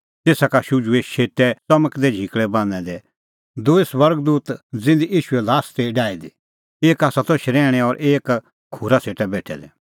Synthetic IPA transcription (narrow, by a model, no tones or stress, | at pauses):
t̪eːsakaʃʊd͡ʒueʃeːtɛt͡sɐməkd̪ɛd͡ʒʱikɭɛbãːnɛd̪ɛ | d̪oisʋɐɾɡd̪uːt̪d͡zɪ̃nd̪ijiːʃʊɛlaːst̪eɖaːid̪i | eːkaːsat̪oʃɾɛːɽ̃ɛɔɾʔeːk | kʰːuɾaseːʈɛbɛːʈʰɛ̰d̪ɛ